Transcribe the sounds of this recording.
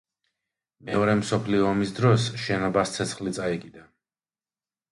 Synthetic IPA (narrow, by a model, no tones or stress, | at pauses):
mɛɔɾɛmsɔpʰliɔːmisd̪ɾɔsʃɛnɔbast̪sʰɛt̪sʰχlit̪sʼaɛɡid̪a